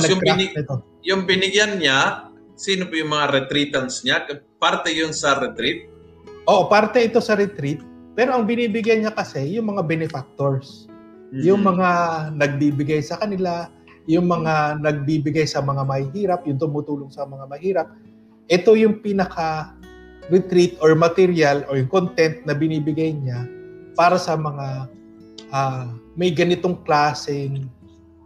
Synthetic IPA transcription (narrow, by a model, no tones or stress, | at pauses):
nɐjʊŋkɾaɛt̪o | jʊŋbɪnɪɡjanɲa | siːnopojʊŋmɐŋaɾɛt̪ɾiːt̪ɐnsɲakpaɾt̪ɛjʊnsɐɾɛt̪ɾit̪̚ | ʔo̞ːʔopaɾt̪ɛʔɪt̪o̞sɐɾɛt̪ɾit̪̚ | pɛːɾo̞ʔɐŋbɪniːbɪɡjajɲakɐsɛjʊŋmɐŋabɛnɪfak̚t̪oɹs | jʊŋmɐŋanɐɡ̚biːbɪɡajsɐkɐnɪla | jʊŋmɐŋanɐɡ̚biːbɪɡajsɐmɐŋamɐhɪɦiːɾɐp̚jʊnt̪ʊmut̪uːloŋsɐmɐŋamɐhiːɾɐp̚ | ʔɛt̪o̞jʊŋpiːnɐkʰa | ɾɪt̪ɾit̪ʔoɹmɐt̪ɛɾjalʔojʊŋkont̪ɛnt̪̚nɐbɪniːbɪɡajɲapaːɾɐsɐmɐŋa | ʔamɐjɡɐnɪt̪o̞ŋklaːsɪŋ